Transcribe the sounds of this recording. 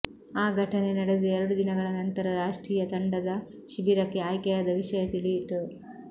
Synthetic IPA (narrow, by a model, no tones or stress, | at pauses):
aːɡʱɐʈʰɐne̞nɐɽe̞d̪uɛɾɐɽud̪inɐɡɐɭɐnɐnt̪ɐɾɐɾaːʂʈɾiːjɐt̪ɐɳɖɐd̪ɐ | ʃibiɾɐkːeaːjkɛjaːd̪ɐʋiʃɐjɐt̪iliʈ